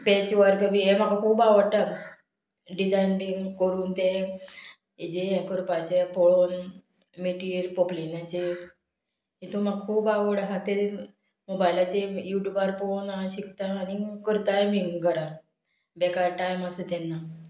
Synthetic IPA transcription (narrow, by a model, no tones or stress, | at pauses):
bet͡ɕʋəɾkəbiem̤akakʰuːbaʋəɾʈa | ɖid͡zajnbiŋkəɾuːnt̪e | ed͡ʑejɛ̃kəɾpat͡ɕefoɭon | meʈiːɾpoplinãt͡ɕe | it̪omakʰuːbaʋəɽaɦãt̪e | mobajlat͡ɕejuʈjubaɾpoonaɕikt̪aːnikəɾt̪ajmiɡʱəɾa | bɛkaɾʈajmaset̪ɛnːa